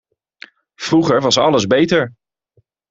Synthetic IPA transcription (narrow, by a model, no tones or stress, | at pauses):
v̥ruχəɹʋɑsɑləzbejtəɹ